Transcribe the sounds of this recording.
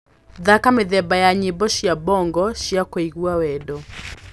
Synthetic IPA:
ðakamɪðɛbajaɲɪbɔʃjabɔŋɡɔʃjakwaiɣuawɛdɔ

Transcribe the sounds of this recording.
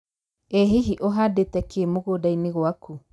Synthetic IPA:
eɦiɦiʔoɦadetɛkʰemoɣoːdaineɣwakʰu

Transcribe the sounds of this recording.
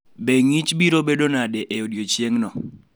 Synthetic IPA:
beŋit͡ʃbiɾobedonadeʔeodjot͡ʃjeŋnɔ

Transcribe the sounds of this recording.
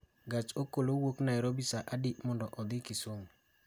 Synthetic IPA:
ɡat͡ʃokolowoknaɛɾobisaʔadiʔmɔndɔʔɔd̪ɪkisoŋ

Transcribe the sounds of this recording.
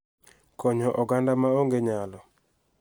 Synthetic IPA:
kɔɲɔʔɔɡandamaoŋɡeɲalɔ

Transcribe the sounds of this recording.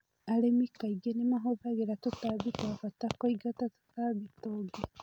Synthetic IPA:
alemikaiɡenemaɦoβaɣeɾatutaβikwafatakoiɡatatu̥taβitoɡe

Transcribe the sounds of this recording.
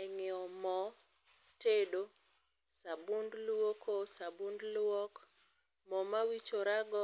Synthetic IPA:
ɛŋɪɔmɔ | tedo | sabundlwokosabundlwɔk | mɔmawit͡ʃoɾaɡɔ

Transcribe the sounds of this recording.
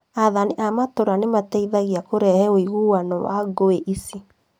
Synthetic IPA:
aðaniʔamatoɾanematɛiðaɣiakoɾɛhɛoiɣuwanɔwa̰ɡoeʔisi

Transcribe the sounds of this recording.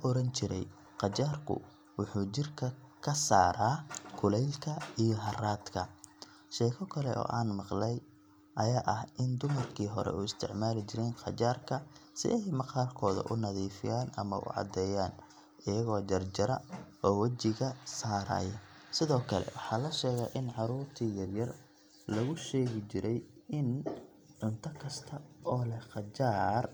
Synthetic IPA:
ʔɔɾɐnt͡ʃɪɾɛ̰j | qɑt͡ʃaːrkʰʊ̰ | wʊħuːt͡ʃɪrkʰɐkʰɐsaːɾaːkʰʊlɛjlkʰɐijɔɦɐraːd̪kʰɐ̰ | ʃɛjxʰɔkʰɐlɛ̰ɔ̰ːʔaːnmɑqlɛj | ʔɐjaːʔɐhɪnd̪ʊmɐrkʰiːɦɔ̰ɾɛ̰uːɪst̪ʰɪʕmaːlɪt͡ʃɪɾɛːnqɑ̰t͡ʃaːrkʰɐsɪ̰ʔɛjmɑqɑːlkʰɔːðɐ̰ʔʊnɐðiːfɪjaːnɐ̰mɐ̰ʔʊ̰ʕɑ̰d̪ɛːjaːn | ʔɪjɐɣɔːd͡ʒɐrd͡ʒɐɾɐɔːwɐd͡ʒɪɣɐsaːɾɐ̰ːjɐsɪðɔːkʰɐlɛ̰wɑħɑːlɐʃɛːɣaːʔɪnʕɑɾuːrt̪ʰiːjɐrjɐr | lɐɣʊʃɛːɣɪt͡ʃɪɾʔɛjɪn | ʕʊnt̪ʰɐkʰɐst̪ʰɐɔːlɛqɑd͡ʒaːr

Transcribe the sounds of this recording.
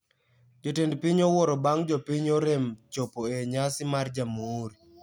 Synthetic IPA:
d͡ʒotendpiɲowɔɾɔbaŋd͡ʒopiɲoɾemt͡ʃopoeɲasɪmard͡ʒamoːɾi

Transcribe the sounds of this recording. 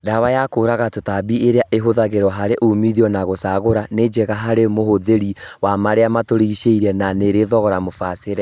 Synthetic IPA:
dawajakoːɾaɣatotabieɾeaʔeɦoðaɣeɾwɔɦaɾeʔumiðiɔnaɣosaːɣoɾaned͡ʒɛɣaɦaɾemohoðeɾiwamaɾeamatoɾeiʃeiɾɛnaneɾeðɔɣɔɾamofaseɾɛ

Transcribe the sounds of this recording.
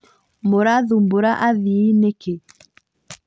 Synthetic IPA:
moɾaðumboɾaʔaðiːneke

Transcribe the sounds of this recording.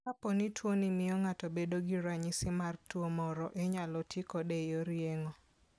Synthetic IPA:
apɔnitwonɪmɪjɔŋatɔbedoɡiɾaɲɪsɪmartwomɔɾɔʔeɲalɔtʰɪkɔdejoɾjeŋɔ

